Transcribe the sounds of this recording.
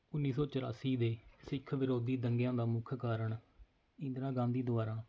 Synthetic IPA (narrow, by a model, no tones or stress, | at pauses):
ʊnːiːs̬ɔːt͡ʃəɾa̰ːsiːd̪eːsɪkʰʋɪɾoːd̪iːd̪əŋɡjãːd̪aːmʊkʰkaːɾəɳ | ɪ̃nd̪ɾãːɡãːnd̪iːd̪ʊaːɾãː